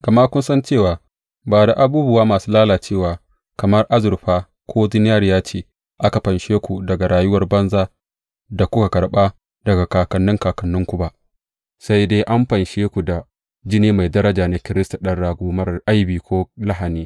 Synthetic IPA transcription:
ɡ̥ɐ˨ma˦kʷʊ˦nsɐ˦nt͡ʃeː˦˨waː˨ | baː˨da˨ʔa˨buː˦bʊ˦waː˦maː˨suː˦laː˦laː˨t͡ʃeː˦˨waː˨ | kɐ˨mɐ˦rʔa˦zʊ˨rɸaː˦ | kʷʰoː˦d͡ʒɪ˦n˦a˦ɾjaː˦t͡ʃeː˦ | ʔa˦ka˨ɸɐ˨nʃeː˦kʷu˨dɐ˨ɡa˨ɾaː˨jʊ˦wɐ˦rbɐ˦nzaː˦ | da˨kʷʊ˦ka˨kɐ˨ɽɓaː˦ | dɐ˨ɡa˨kaː˨kɐ˨nːʊ˦ŋkaː˨kɐ˨nːʊ˦ŋkʷu˨ba˦ʔ | sa˦jdeː˦ʔa˦mɸɐ˨nʃeː˦kʷu˨da˨ | d͡ʒɪ˦neː˦ma˨jdɐ˦ɾɐ˦d͡ʒaː˨na˨˦kʲɪ˦ɾɪ˦sta˨ɗɐ˦ɽːaː˨ɡʷoː˦mɐ˦rʔa˦jbiː˨kʷoː˦la˦ɦa˨niː˦

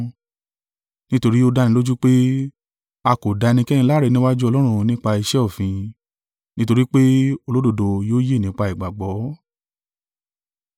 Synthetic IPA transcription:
nĩ˦to˧ɾi˦o˦˧da˧nĩ˦lo˦d͡ʒu˦k͡pe˦ | a˧ko˨da˨˧nĩ˧kɛ˦ĩ˧˦la˦ɾe˨˧nĩ˦wa˦d͡ʒu˦ɔ˧lɔ˦ɾ̃ũ˧nĩ˦k͡pa˧i˧ʃɛ˦ɔ˦˨fĩ˧ | nĩ˦to˧ɾi˦k͡pe˦o˦˧lo˦do˨do˨˧joː˦je˦˨nĩ˨˦k͡pa˧i˨ɡ͡ba˨ɡ͡bɔ˨˦

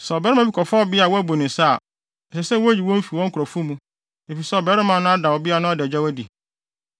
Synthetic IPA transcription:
sɛ˨bɛ˨˦ɾɪ˦mã˨bi˦kʰɔ˨fɔ˦ɔ˨bɪ˦a˨wɔ˦æ˦bo˨nʊ̃˨sa˦˨ | ɛ˨sɛ˨sɛ˦˨wɔ˦d͡ʑi˨wɔ̃˦m̩˦fi˨wɔ̃˦ŋ̩˦kʰʊ˨ɾɔ˨fu˦mũ˦ | e˨fi˨sɛ˦ɔ˨bɛ˦ɾɪ˦mã˨nʊ̃˦a˦da˨wɔ˨bɪ˦a˦˨nʊ̃˦a˦dɛ˨d͡ʑᶣa˦wæ˦di˨

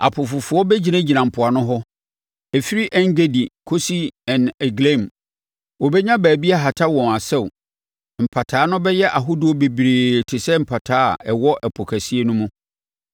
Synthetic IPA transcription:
a̰˨pʰʊ˨fʊ˨fʊ˨˦ɔ˦bɛ˦d͡ʑi˨nã˦d͡ʑi˨nã˨m̩˨pʰʊ˨a˨nʊ̃˦ɦɔ˦ | ɛ˨fi˦ɾi˦ʔɛ̃˦ŋ˦ɡe˦di˨kʰo˦si˦ɛ̃˨nɛ˨ɡlẽ˦˨m | wɔ˨bɛ˦ɲã˦bæː˨bi˦a˦ɦa˨tʰa˦wɔ̃˨na˨sɛ˦˨w | m̩˨pʰa˨tʰaː˨˦nʊ̃˦bɛ˦jɛ˦ʔa˨ɦʊ˦du˦ɔ˦be˨bɾeː˨tʰɪ˨sɛ˦m̩˨pʰa˨tʰa̰ː˦˨ɛ˨wɔ˦ʔɛ˨pʰɔ˨kʰæ˨si˦e˦nʊ̃˦mʊ̃˦

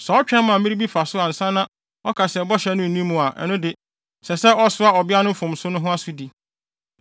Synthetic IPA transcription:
sɛ˨ɔ˦t͡ɕᶣɛ̃˦mã˨mĩ˦ɾi˦bi˦fa˨sʊ˦a˨n̩˨sã˦nã˦ | ɔ˦kʰa˨sɛ˨bɔ˦ɕɛ˨˦nʊ̃˦n̩˨nĩ˦mũ˨a˨ʔɛ̰˨nʊ̃˦dɪ˨ | sɛ˨sɛ˦ɔ˦sʊ˦a˦ɔ˨bɪ˦a˦nʊ̃˦fʊ̃˨msʊ˦nʊ̃˦ɦʊ̃˦a˦sʊ˦di˨

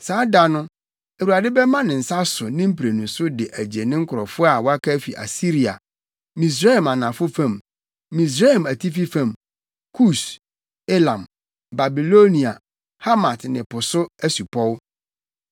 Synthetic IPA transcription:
saː˨˦da˨nʊ̃˦ | e˨wu˨a˨dɪ˦bɛ˦mã˦nɪ̃˨n̩˨sa˦sʊ˨nɪ̃˦m̩˦pʰɾe˨nũ˨sʊ˦dɪ˨ʔæ˨d͡ʑi˨e˨nɪ̃˦ŋ̩˦kʰʊ˨ɾɔ˨fʊ˦a˨wɔ˦a˦kʰa˦fḭ˨ʔa̰˨si˦ɾi˨a̰˨ | mĩ˨s̬ɾe˦˨mã˨nã˨fʊ˦fã˨mː | ĩ˨s̬ɾa˦˨mæ˨tʰi˦fi˦fã˨m | kʰu˦˨s | e˦lã˨m | ba˨bi˨lo˦nĩ˨a˨ | ha˦mã˨tnɪ̃˨pʊ˨sʊ˦æ˦su˨pʰɔ˦w

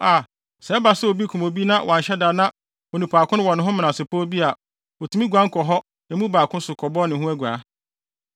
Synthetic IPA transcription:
a˨ | sɛ˨˦ba˨sɛ˦o˨bi˦kʰu˨mõ˨bi˦nã˦wʔɔ̃˨ɕɛ˦da˨nã˦ | o˨nũ˨pʰaː˨kʰʊ̃˦ñ˦wɔ̃˨nʊ̃˦ɦʊ̃˦m̃˨nã˨sɪ˨pʰɔ˦bi˦a˨ | wo˨tʰu˨mĩ˦ɡʷã˦ŋ̩˦kʰɔ˨ɦɔ˦ | ɛ˨˦mũ˦baː˨kʰʊ̃˦n˦sʊ˨kʰɔ˨bɔ˦nɪ̃˨ɦũ˦æ˦ɡʷa˨˦

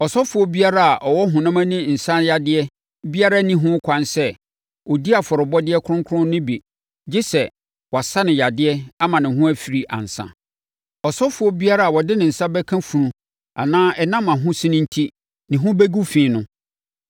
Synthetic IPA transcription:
ɔ˨sɔ˦fʊ˨ɔ˦bi˦a˦ɾa˦a˨ʔɔ˨wɔ˦ɦʊ̃˨nã˦mã˦nĩ˦n̩˨sã˦nja˨dɪ˦ɛ˦ | bi˦a˦ɾa˦nĩ˦ɦʊ̃˦kʷʰã˨nsɛ˦ | o˨di˦a˨fɔ˨ɾʊ˨bɔ˦dɪ˦ɛ˦kʰʊ˦ɾʊ̃˦ŋkʰʊ˦ɾʊ̃˦nɪ̃˦bi˨ | d͡ʑɪ˦sɛ˨ | wɔ˨a˨sa˦nɪ̃˨ja˨dɪ˦ɛ˦a˦mã˨nɪ̃˨ɦʊ̃˦æ˦fi˨ɾi˨ʔa̰˨n̩˨sã̰˨ | ɔ˨sɔ˦fʊ˨ɔ˦bi˦a˦ɾa˦˨a˨wɔ˨dɪ˦nɪ̃˨n̩˨sã˦bɛ˦kʰã˦fu˨ɾũ˨ | a̰˨nãː˦ɛ˨nã˦mã˨ɦʊ̃˦sɪ̃˦nɪ̃˦n̩˦tʰi˦ | nɪ̃˨ɦʊ̃˦bɛ˦ɡu˦fĩː˨˦˨nʊ̃˦

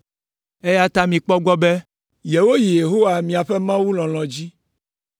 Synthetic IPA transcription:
e˦ja˦t̪a˦mĩ˨k͡pɔ˦ɡ͡bɔ˦bɛ˦ | je˨wo˦ji˨je˨ɦo˦wa˨mĩ˨a˨ɸɛ˦mã˦wu˦lɔ̃˨l̃ɔ̃˨d͡ʑi˦

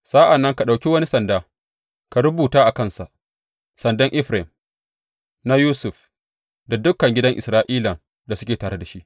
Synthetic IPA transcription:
sa˦ʔa˨nːɐ˦ŋka˨ɗa˨wkʲi˦wɐ˦ni˦sɐ˨ndaː˦ | ka˨ɾʊ˦buː˨taː˦ʔa˨kɐ˦nsa˨ʔ | sɐ˨ndɐ˦ŋʔɪ˦ɸɾɛ˨m | na˦juː˦sʊ˨ɸ | da˨dʊ˦kːɐ˨ŋɡʲɪ˦dɐ˦ŋʔɪ˨sɾaː˦ʔiː˦la˨ | da˨sʊ˦kʲeː˨taː˨ɽe˦da˨ʃi˦ʔ

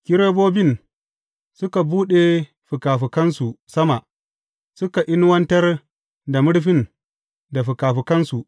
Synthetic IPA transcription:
kʲɪ˦ɾeː˦boː˦bɪ˦˨n | sʊ˦ka˨buː˦ɗe˨ | ɸʊ˨kaː˨ɸi˨kɐ˦nsu˨sɐ˦ma˨ | sʊ˦ka˨ʔɪ˦n˦wɐ˦ntɐ˦r | da˨mʊ˦ɽɸɪ˦n | da˨ɸɪ˨kaː˨ɸi˨kɐ˦nsu˨ʔ

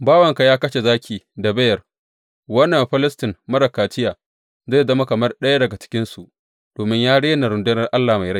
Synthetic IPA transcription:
baː˦wɐ˨ŋka˨jaː˦kɐ˦ʃe˨zaː˦kʲiː˨da˨bɐ˦jɐ˨r | wɐ˦nːɐ˨mɸɪ˦lɪ˦stɪ˨nmɐ˦ɽɐ˨kaː˨t͡ʃɪ˦jaː˨ | zaː˦˨zɐ˦ma˦kɐ˨mɐ˦rɗɐ˦ja˦dɐ˨ɡa˨t͡ʃɪ̥˦kʲɪ˦nsu˨ʔ | d̥oː˨mɪ˦ɲjaː˦ɽeː˦na˨ɾʊ˨ndʊ˦nɐ˦rʔa˦lːaː˨ma˨jɽa˦˨

